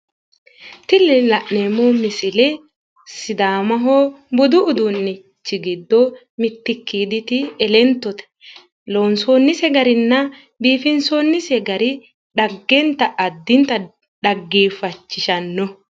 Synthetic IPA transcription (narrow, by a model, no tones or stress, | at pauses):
t̪ɪlːɛlɐʔneːmoːmɪsɪlɛ | sɪd̪aːmɐɦoːbɔd̪ʊʊd̪ʊnːɪ | t͡ʃːɪɡɪd̪ːɔ | mɪt̪ːɪkːiːd̪ɪt̪ɪɛlɛnt̪ːɔt̪ɛ̥ | lo̞ːnso̞ːnːɪsɛɡɐɾɪnːɐ | biːfɪnsoːnːɪsɛɡɐɾɪ | ᶑɐɡːɛnt̪ɐʔɐd̪ːɪnt̪ɐ | ɗɐɡːiːfɐt͡ʃːɪʃɐnːɔ